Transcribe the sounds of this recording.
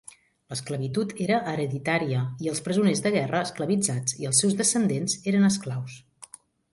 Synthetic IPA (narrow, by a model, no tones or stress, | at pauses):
ləskləβit̪ut̪eɾəʔəɾəðit̪aɾiəiəlˠspɾəzunezðəɣɛrəːskləβid͡zad͡ziəlˠsɛwzðəsənd̪enzeɾənəsklaws